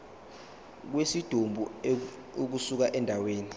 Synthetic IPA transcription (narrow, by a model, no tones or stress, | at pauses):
k̬wesid̥ʱombʱu | uk̬usuk̬aʔɛndʱaweːni